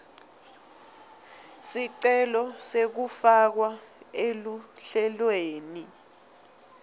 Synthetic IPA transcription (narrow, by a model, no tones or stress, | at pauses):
siǀɛlɔsek̬ufak̬waeluɬɛlweːni